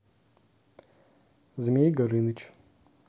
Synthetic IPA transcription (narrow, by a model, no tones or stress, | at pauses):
zmʲejɡɐɾɨnɨt͡ʃʰʼ